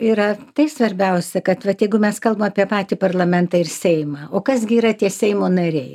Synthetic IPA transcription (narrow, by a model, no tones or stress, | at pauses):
iːɾɐt̪ɐɪsʋɐɾʲbʲɛʊsʲɛkɐt̪ʋɐt̪jɛɪɡʊmʲɛskɐlˠbɐmɐpʲiɛpɑːt̪ʲipɐrlˠɐmʲɛnt̪ɑːɪɾsʲɛɪmɑːoːkɐsɡʲɪːɾɐt̪ʲiɛsʲɛɪmoːnɐɾʲɛɪ